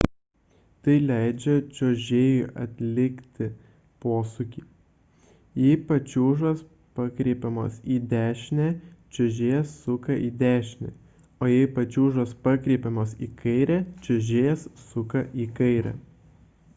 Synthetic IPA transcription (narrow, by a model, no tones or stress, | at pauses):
t̪ɐɪlʲæˑɪd͡ʒʲɛt͡ʃʲoːʒʲeːjʊʔɐt̪ʲlʲɪkt̪ʲɪ | poːsʊkʲiː | jɛɪpɐt͡ʃʲuːʒɐs | pɐkɾʲeːpʲɛmo̰ːsiːd̪ʲæːʃʲnʲæt͡ʃʲɛʒʲeːsːʊkɐʔiːd̪ʲæːʃʲnʲɛ̰ | oːjɛɪpɐt͡ʃʲuːʒospɑkɾʲeːpʲɛmoːsiːkʰɐɪɾʲæt͡ʃʲɛʒʲeːssʊkɐʔiːkɐɪɾʲɛ̰